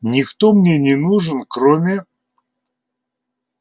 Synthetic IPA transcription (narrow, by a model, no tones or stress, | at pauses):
nʲɪkt̪omnʲenʲɪnuʐɨnkɾomʲɪ